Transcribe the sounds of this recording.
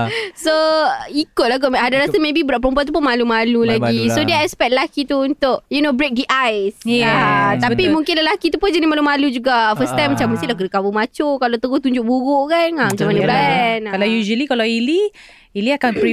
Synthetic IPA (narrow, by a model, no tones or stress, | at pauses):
soikʊt̪̚laɡoɦadaɾasamebibəɾaʔpəɾəmpuat̪̬up̬ʊnmalumalulaɡisodɛɛspɛt̪̚ləlakit̪uːnt̪ʊkjunobɾek̚diʔajsat̪apimũŋkɪnləlakit̪upʊnd͡ʒanimalumalud͡ʒuɡafəst̪ajmːat͡ʃamːəsiʔlaɡədəkabumat͡ʃokalat̪əɡʊht̪uɲd͡ʒʊʔ̚buɣʊʔkanamat͡ʃamanabankalajuʒəlikalawili | iliakanpi